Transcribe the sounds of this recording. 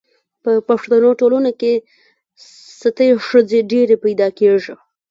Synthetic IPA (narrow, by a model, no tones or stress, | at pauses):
pəpaʂt̪anoʈolunoke | sat̪əʂəzeɖeɾepajd̪ɑkeʐi